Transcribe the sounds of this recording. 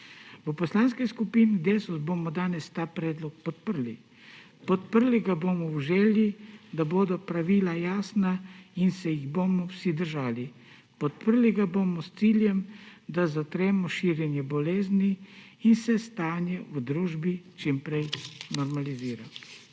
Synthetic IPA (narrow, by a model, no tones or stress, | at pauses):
ʋəpɔslaːnskɛskupiːnid̪eːsɔzboːmɔd̪aːnɛst̪aːpɾɛːd̪lɔk̚pɔt̪̚pəɾli | pɔt̪̚pəɾliɡaboːmɔwʒɛːljid̪aboːd̪ɔpɾaʋiːlajaːsnainsɛjiɣboːmɔwsid̪əɾʒaːli | pɔt̪̚pəɾliɡaboːmɔst̪siːljɛmd̪azat̪ɾɛːmɔʃiːɾjɛnjɛbɔleːzniː | nsɛst̪aːnjɛd̪ɾuːʒbit͡ʃimpɾɛjnɔɾmaliziːɾa